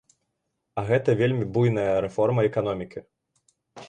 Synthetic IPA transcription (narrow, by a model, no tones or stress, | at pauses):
ɐɣɛt̪ɐvʲelʲmʲibujnɐjɐɾɛfɔrmɐɛkan̪ɔmʲikʲʰi